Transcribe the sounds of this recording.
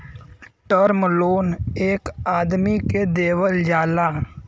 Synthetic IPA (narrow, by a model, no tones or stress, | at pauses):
ʈəɾmloːneːkaːd̪miked̪eːʋəld͡ʒaːlaː